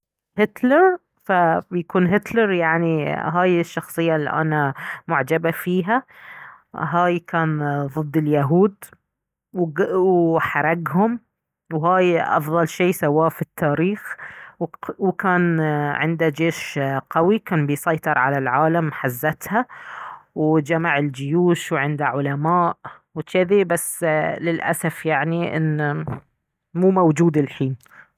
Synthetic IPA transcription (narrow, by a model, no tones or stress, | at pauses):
hɪt̪lɑɾˤ | fabjakuːnɦɪt̪lɑɾˤjaʕniɦaːjɪʃːɑxsˤɨjːalːḭʔa̰namʊʕd͡ʒabafiːɦa | ɦaːjkaːnðˤɨd̪ːɪljaɦuːd̪ | wwħɑɾˤɑɡɦʊm | wɦaːjʔɑ̰fðˤɑlʃeːsawːaːfit̪ːaːɾiːxwwkaːnʕɪnd̪ad͡ʒeːʃqawikaːnbɪjsˤɑjt̪ˤɨɾˤʕalalʕaːlamħazːat̪ha | wd͡ʒamaʕɪld͡ʒʊjuːʃwʕɪnd̪aʕʊlamaːʔ | wt͡ʃ̪ɪðibasːlɪlʔa̰safjaʕniʔɪ̰nː | muːmawd͡ʒuːd̪ɪlħiːn